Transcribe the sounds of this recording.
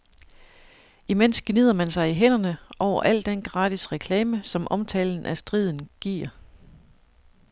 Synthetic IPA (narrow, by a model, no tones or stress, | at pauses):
imen̰sɡ̥nið̰ˠɐmænsɑ̈ɪiɦenɐnəʔɒʊ̰ɐ̰ʔæl̰d̥enɡ̥ʁɑ̈ːd̥isʁɛkʰlɛːməsɒ̽mʔɒ̽mt͡sʰɛ̰ːln̩ʔæsd̥ʁið̞ˠn̩ɡ̥iːɐ̰